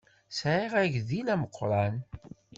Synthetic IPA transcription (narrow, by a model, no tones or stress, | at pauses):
sʕiʁæʝðilæməqːɾˤɑn